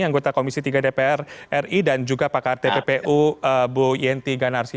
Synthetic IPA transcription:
iaŋɡot̪akomisit̪iɡadepeɛrɛridand͡ʒuɡapakart̪epepeʔuəbujɛnt̪iɡanarsi

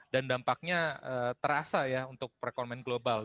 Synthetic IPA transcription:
dandampak̚ɲaəːt̪əɾasajaunt̪ʊk̚rekɔnmɛnɡlobal

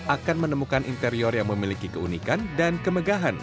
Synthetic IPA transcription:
ʔakanmənəmukanʔint̪əɾiɔrjaŋməmilikikəunikandankəməɡaɦan

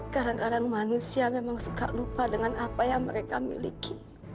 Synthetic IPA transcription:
kadaŋkadaŋmanusiamemaŋsuka̰ʔlupadəŋanapajaŋmə̰ɾeka̰mḭlḭkʰi

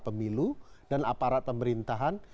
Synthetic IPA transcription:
pəmiludanapaɾat̪̚pəməɾint̪aɦan

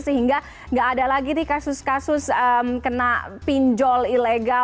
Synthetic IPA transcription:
səɦiŋɡa | ŋɡaːdalaɡidɪhkasʊskasʊsəmkənapiɲd͡ʒɔlileɡa

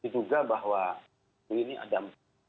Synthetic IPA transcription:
it̪uɡabaɦwa | uiniʔa̰dam

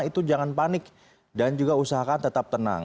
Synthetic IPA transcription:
it̪ud͡ʒaŋanpanɪk̚ | dand͡ʒuɡausaɦakant̪ət̪ap̚t̪əna̰ŋ

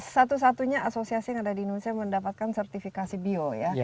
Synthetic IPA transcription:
sat̪us̬at̪uɲaasosiasijaŋadadinunsiaməndapat̪̚kansərt̪ifikasibioja

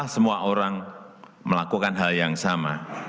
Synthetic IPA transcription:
ahsəmuaʔoɾaŋ | məlakukanɦaljaŋsama

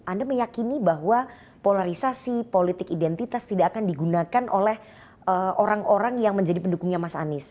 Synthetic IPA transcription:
andaməjakinibaɦwa | polaɾisasipolit̪ɪkidɛnt̪it̪ast̪idaakandiɡunakanʔolɛh | əʔoɾaŋʔoɾaŋjaŋməɲd͡ʒadipəndukuŋɲamasaa̰nɪs

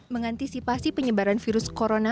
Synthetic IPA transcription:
məŋant̪isipasipəɲəbaɾanfiɾʊskoɾona

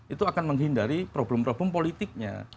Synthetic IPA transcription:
it̪uakanməŋɦindaɾipɾoblɛmpɾobɛmpolit̪ɪk̚ɲa̰

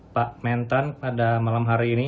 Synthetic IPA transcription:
paʔmɛnt̪anpadamalamɦaɾiːni

